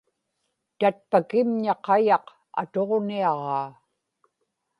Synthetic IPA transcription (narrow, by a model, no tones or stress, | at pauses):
t̪at̪̚pakɪmɲɑqɑjɑq | a̰t̪o̞ʁniɑʁɑː